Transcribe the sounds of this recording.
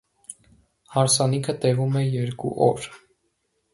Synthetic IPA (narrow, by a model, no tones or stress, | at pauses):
hɑɾsɑnikʰət̪ɛvumɛjɛɾkṵʔɔ̰ɾ